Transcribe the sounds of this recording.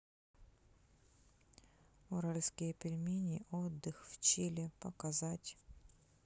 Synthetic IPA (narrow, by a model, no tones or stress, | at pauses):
ʊɾalʲskʲɪjəpʲɪlʲmʲinʲɪʔod̪ːɨxft͡ɕilʲɪpəkɐzatʲ